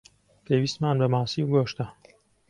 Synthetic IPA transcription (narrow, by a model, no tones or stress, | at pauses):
pʰeːwiːst̪maːnbɐmaːsiːɡoːʃt̪ɐ